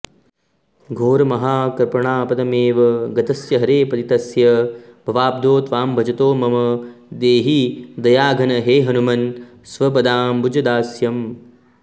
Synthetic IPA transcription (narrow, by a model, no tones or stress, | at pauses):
ɡʱoːɾɐmɐɦaːkɐɾpɐɳaːpɐd̪ɐmeːʋɐɡɐt̪ɐsjɐɦɐɾeːpɐt̪it̪ɐsjɐbʱɐʋaːb̚d̪ʱoːt̪ʋaːmbʱɐd͡ʒɐt̪oːmɐmɐd̪eːɦid̪ɐjaːɡʱɐnɐɦeːɦɐnumɐn | sʋɐp̬ɐd̪aːmbud͡ʒɐd̪aːsjɐm